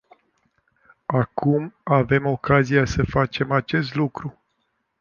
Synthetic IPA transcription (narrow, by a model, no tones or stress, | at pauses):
akʰumave̞mo̞kazijasəfat͡ʃe̞mat͡ʃe̞st̪lukɾu